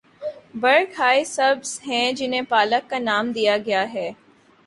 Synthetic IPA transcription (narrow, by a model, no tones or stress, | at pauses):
bɐɾkɦaːisɐbz̥ɦɛ̃d͡ʒɪnɦẽpaːləkːanaːmd̪ijaɡɐjaɦɛː